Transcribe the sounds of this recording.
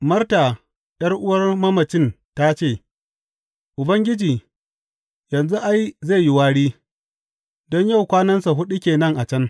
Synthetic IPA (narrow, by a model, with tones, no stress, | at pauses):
mɐ˦rta˨ | ɗɐ˦rʔʊ˦wɐ˦rmɐ˦mɐ˨t͡ʃɪ˦n | ta˦t͡ʃeː˦˨ | ʔʊ˨bɐ˦ŋɡʲɪ˦d͡ʒiː˨ | jɐ˨nzu˦ʔa˦jze˦˨ji˦waː˦ɽiː˦ | dɔ˦ɲja˦˨wkʷaː˦nɐ˦nsa˨ɦʊ˦ɗi˦kʲeː˨nɐ˦ŋʔa˨t͡ʃɐ˦n